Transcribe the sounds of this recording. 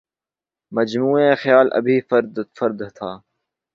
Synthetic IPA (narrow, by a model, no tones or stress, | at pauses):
mɐd͡ʒmuːẽxjaːlʔɐ̰bʱiːfɾd̪fɐɾd̪t̪ʰaː